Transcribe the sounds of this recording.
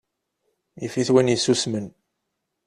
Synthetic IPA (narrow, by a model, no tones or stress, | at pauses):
jifiθwinjisusmən